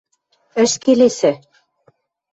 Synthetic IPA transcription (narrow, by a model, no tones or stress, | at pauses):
ɘ̆ʃkelesɘ̆